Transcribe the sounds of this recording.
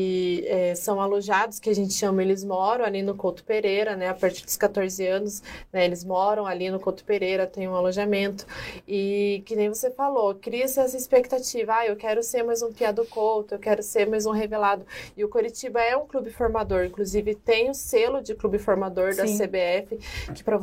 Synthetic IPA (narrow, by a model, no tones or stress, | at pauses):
ɪɛsɐ̃w̃aloʒad̪ʊskɪaʒẽnt͡ʃɪʃɐ̃mɐ̃elɪzmɔɾɐ̃w̃alinʊkowt̪ʊ̥peɾejɾɐnɛapaɾt͡ʃiɾd̪ʊ̥skat̪oɾzɪɐ̃nʊsnɛelɪzmɔɾɐ̃w̃alinʊkowt̪ʊ̥peɾejɾɐt̪ẽj̃ũaloʒamẽnt̪ʊ̥ɪkɪnẽj̃vosefalokɾiɐsɪɛsɐɪspek̚t̪at͡ʃivɐaewkɛɾʊseɾmajzũpiad̪ʊkowt̪ʊewkɛɾʊseɾmajzũɦevelad̪ʊɪʊkoɾit͡ʃibɐɛũklubɪfoɾmad̪oɾĩŋkluzivɪt̪ẽj̃ʊ̃selʊd͡ʒɪklubɪfoɾmad̪oɾd̪ɐsebeɛfɪkɪ̥pɾɐ